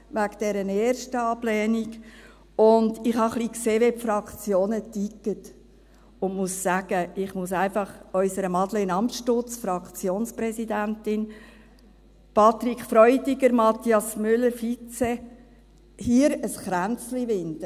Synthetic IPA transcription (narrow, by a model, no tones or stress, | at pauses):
ʋæɡd̥ɛɾəneːɾʃtəɑb̥lɛːnik | ʊndɪχhɑχlikseːʋepfɾɑkt͡sjoːnətikːət | ʊndmussæɡ̥əɪχmʊsæɪnfɑχœʏsəɾəmɑd̪ləɪnɑmtʃtʊt͡sfɾɑkt͡sjoːnspɾɛsidæntɪn | pʰɑt̪ɾikχfɾɔʏdiɡəɾmɑt̪iɑsmʏlːəɾfit͡se | hiːəɾəsχɾænt͡sliʋɪnd̥ə